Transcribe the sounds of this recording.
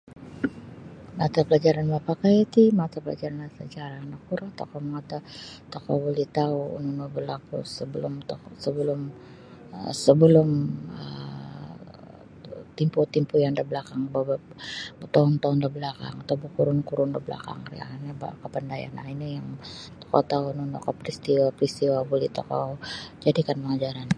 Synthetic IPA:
mat̪apəlad͡ʒaɾanbapakajat̪imat̪apəla̰d͡ʒaɾanasət͡ʃaɾaːnak̚ːuɾat̪akoməŋat̪at̪akobolɛht̪auṵnunubəlakṵsəbəlʊmt̪osəbəlʊm | əsəbəlʊmə̰ | t̪imput̪impujaŋdəbəlakaŋbaba | t̪aʊnt̪aʊndəbəlaka̰ŋat̪abukuɾʊnkuɾʊndəbəla̰ka̰ŋaɾḭa̰ɲaba̰kəpəndaja̰na̰inajaŋt̪o̥ka̰wt̪aununokapɾist̪iwapɾist̪iwabulɪht̪oka̰d͡ʒadikanpəŋad͡ʒaɾan

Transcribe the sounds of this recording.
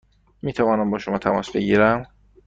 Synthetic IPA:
miːt̪ʰævɒːnæmbɒːʃomɒːt̪ʰæmɒ̰ːsbe̞̰ɟiːɾæm

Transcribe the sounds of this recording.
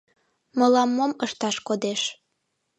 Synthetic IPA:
məlɑmːoməʃt̪ɑʃkod̪eʃ

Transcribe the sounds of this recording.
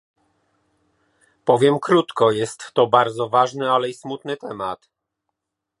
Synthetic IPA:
pɔvʲjɛmkɾut̪kɔjɛst̪ːɔbaɾd̪zɔvaʐnɘalɛismut̪nɘt̪ɛmat̪

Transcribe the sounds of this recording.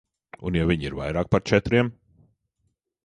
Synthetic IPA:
unjavʲiɲiɾva̰jɾaːk̚paɾt͡ʃɛt̪ɾiɛm

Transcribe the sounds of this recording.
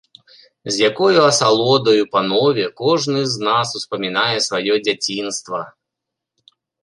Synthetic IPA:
zʲjakɔjuɐsalˠɔd̪ɐjupɐnɔvʲɛkɔʐnɨznasuspɐmʲinajɛsvajɔd͡zʲat͡sʲinst̪vɐ

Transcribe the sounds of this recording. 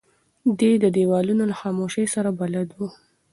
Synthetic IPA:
d̪ed̪əd̪ewɑlunolaxɑmoʃəjsaɾabalad̪wu

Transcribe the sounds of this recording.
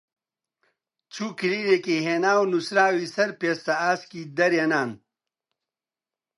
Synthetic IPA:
t͡ɕʰukiɾiɾekeɦeːnaːwnusɾaːwisɐɾpeːst̪aaːskid̪ɐɾjɐnaːn

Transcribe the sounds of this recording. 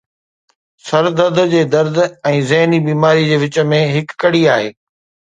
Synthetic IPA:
sɐɾd̪əɾd̪d͡ʑeːd̪ɐɾd̪ʱɛ̃ːzɐɦnibiːmaːɾid͡ʑeːʋɪt͡ɕəmẽɦɪkːɐɽiaːɦeː

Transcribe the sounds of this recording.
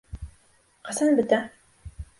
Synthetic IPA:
qɑsɑnbɘ̆t̪æ

